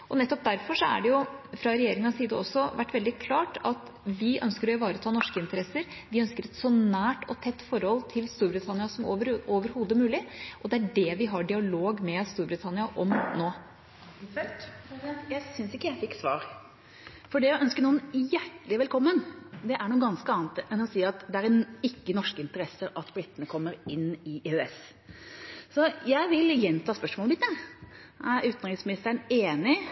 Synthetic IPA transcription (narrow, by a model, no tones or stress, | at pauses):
ʔɔnɛt̪ːɔp̚d̪æɾfɔʂɔæ̰ɖɛjʊfɾɑɾɛjeːɾɪŋənɑsiːd̪əɔsːɔʋæʈːʋɛld̪ɪkʰlɑːʈɑt̪ | ʋɪʔœ̰nskəɾɔɪʋɑːɾət̪ʰɑːnɔʂkəɪnt̪əɾɛsəɾ | ʋɪœnskəɾɛt̪sɔnæːʈʰɔt̪ʰɛt̪ːfɔɾhɔlt̪ʰɪlst̪uːɾbɾɪt̪ʰɑnɪɑsɔməɾoːʋəɾhuːd̪əmʉːlɪʔɔd̪ɛæɖɛʋɪɦɑɖɪɑloːɡmɛst̪uːɾbɾɪt̪ʰɑnɪɑʔɔmnoː | jæɪsʏnsɪkːəjæɪfɪkːsʋɑ̰ːɾ | fɔɖɛæʔœnskənuːənjæʈəlɪʋɛlkʰɔmːənd̪ɛʔæɳuːɡɑnskəɑːnt̪ɛnɔsiːɾɑt̪d̪ɛæɾɛɪkːənɔʂkəɪnt̪əɾɛsəɾɑt̪bɾɪt̪ːənəkʰɔmːəɾɪnːɪeøɛs | sɔjæɪʋɪljɛnːt̪ʰɑːspœʂmɔːlˠbɪt̪ːə | ʔæʉːt̪nɾɪsmɪnɪst̪æɳeːnɪ